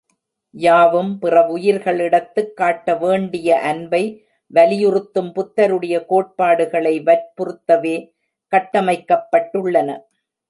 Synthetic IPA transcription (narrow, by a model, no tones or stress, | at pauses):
jaːʋɯmpɪrɐʋʊjɪɾɣɐɭɪɽɐt̪ːɯkːaːʈːɐʋeːɳɖɪjɐʔɐnbɐɪ | ʋɐlɪjʊrɯt̪ːɯmpʊt̪ːɐɾɯɽɐjɐkoːʈ̚paːɽɯɣɐɭɐɪʋɐɾpʊrɯt̪ːɐʋeː | kɐʈːɐmɐɪkːɐpːɐʈːɯɭːɐnɐ